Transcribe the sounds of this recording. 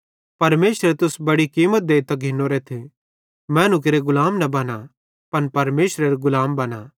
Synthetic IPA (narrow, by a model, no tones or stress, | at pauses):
pɐɾmeːsɾet̪ʊsbɐɽikiːmət̪̚d̪eːit̪ɐɡʱɪnːoɾet̪ʰe | mɛ̃ːnʊk̬eɾeɡʊlaːmnɐbɐna | pɐnpɐɾmeːsɾeɾeɡʊlaːmbɐna